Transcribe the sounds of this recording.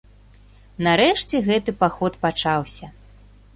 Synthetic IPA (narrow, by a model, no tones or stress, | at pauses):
naɾɛʂt͡sʲɛɣɛt̪ɨpaxɔt̪pat͡ʂawsʲɐ